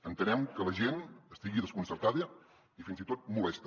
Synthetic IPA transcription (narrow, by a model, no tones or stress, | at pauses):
ənt̪ənɛmkələʒenəst̪iɣiðəskunsərt̪aðə | ifinzit̪ot̪̚mulɛst̪ə